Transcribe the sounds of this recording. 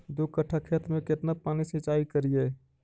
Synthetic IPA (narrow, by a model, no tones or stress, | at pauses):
d̪ukəʈʰːakʰet̪mẽket̪napanisit͡ʃaːikəɾije